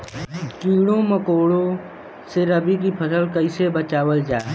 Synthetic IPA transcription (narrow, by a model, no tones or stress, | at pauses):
t͡ʃiːɽ̃õməkoːɽõ | seɾəbik̬ipʰəsəlkəɪsebət͡ʃaːwəld͡ʒaː